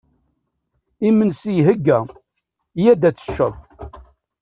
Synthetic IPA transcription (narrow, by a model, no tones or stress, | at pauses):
imənsijɦəɡːæ | jæd̪æt͡sːə̥ʃːəðˤ